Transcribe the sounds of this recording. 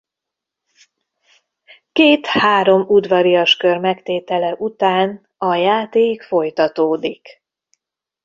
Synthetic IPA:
keːt̪haːɾo̞mud̪ʋɒɾijɒʃkørmɛkt̪eːt̪ɛlɛʔut̪aːn | ɒjaːt̪eːkfo̞jt̪ɒt̪oːd̪ik

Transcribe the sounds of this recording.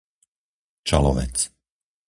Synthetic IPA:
t͡ʃa̰lɔʋɛ̰t͡s

